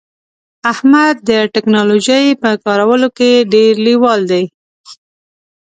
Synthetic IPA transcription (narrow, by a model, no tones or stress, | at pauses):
ahmad̪̚ːəʈɪknɑloʒəjpəkɑɾawəlokeɖeɾliwɑld̪aj